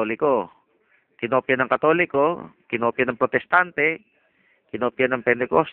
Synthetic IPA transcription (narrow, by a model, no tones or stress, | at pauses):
olɪko | kɪnopjanɐŋkɐt̪olɪkokɪnopjanɐŋpɾot̪ɛst̪ant̪ɛ | kɪnopjanɐŋpɛnt̪ɛkos